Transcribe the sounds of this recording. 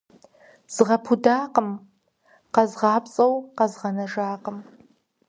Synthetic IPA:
z̥ɨʁɐpʰudaːqəm | qɐzʁɑːpt͡sʼɐwqɐzʁɐnɐʒaːqəm

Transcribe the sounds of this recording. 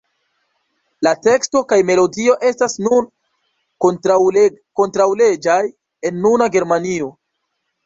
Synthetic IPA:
late̞ksto̞kajme̞lo̞dio̞ʔe̞stasnun | ko̞ntɾawle̞d͡ʒaj | e̞nːunaɡe̞ɾmanio̞

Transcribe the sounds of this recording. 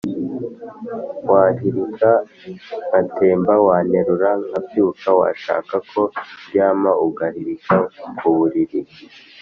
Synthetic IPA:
waːhiɾika | natʰe̞ːmbawaːne̞ɾuɾaŋabjuːkawa̰ʃa̰ːkakʰo̞bjaːmauɡahiɾikakuβuɾiɾi

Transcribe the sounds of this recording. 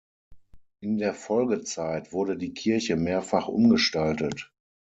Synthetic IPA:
ʔɪndeːɐfɔlɡət͡saɪtv̥ʊɐɾədiːkʰɪɐçəmeːɐfaχʔʊ̰mɡəʃtaltət

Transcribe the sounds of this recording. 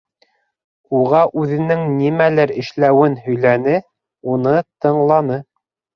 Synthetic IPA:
uʁɑʔʉðɘ̆nɘŋnimælæɾɘ̆ʃlæwɘnɦɵ̆jlænɘ | unɤt̪ɤ̆ɴlˠɑnɤ

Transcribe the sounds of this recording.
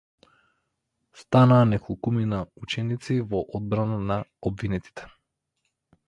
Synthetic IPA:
st̪anaːnɛklˠkuminaut͡ʃɛnit̪sivɔʔɔd̪̚bɾananaɔbvinɛt̪i̥t̪ɛ̥

